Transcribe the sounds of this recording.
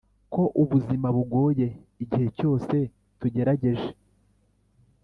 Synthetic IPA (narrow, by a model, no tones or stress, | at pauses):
ko̞ʔuβuzimaβuɡo̞ːje̞iɟihe̞co̞ːse̞ | tuɟe̞ɾaɟe̞ʒe̥